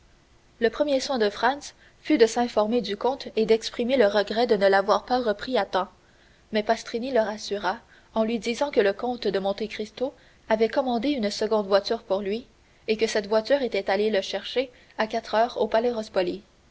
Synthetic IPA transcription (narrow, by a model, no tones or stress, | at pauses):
ləpχəmjeswɛ̃d̪əfχɑ̃ns | fyd̪əsɛ̃fɔʁmed̪ykɔ̃t̪ed̪ɛkspχimeləʁəɡʁɛd̪ənəlavwaːʁpaʁəpχiat̪ɑ̃ | mɛpast̪ʁiniləʁasyʁa | ɑ̃lɥid̪izɑ̃kələkɔ̃t̪d̪əmɔ̃t̪ekχist̪o | avɛkɔmɑ̃d̪eynsəɡɔ̃d̪vwat̪yːʁpuʁlɥi | ekəsɛt̪vwat̪yːʁet̪ɛt̪aleləʃɛʁʃe | akat̪χœːʁopalɛʁɔspɔli